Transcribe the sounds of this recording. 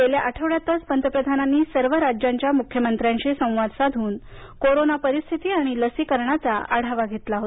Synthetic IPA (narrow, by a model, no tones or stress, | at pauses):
keljaʔəʈʰəʋɭjat̪ət͡spənd̪əpɾəd̪ʱananːiːsəɾʋəɾad͡ʑjaɲt͡ɕjamukʰjəmənt̪ɾjãɲt͡ɕesə̃w̃ʋad̪sad̪ʱuːn | koɾonapəɾist̪ʰit̪iːaɽ̃iləsikəɾɳat͡sa̰a̰ɽ̤aʋaɡʱet̪laɦot̪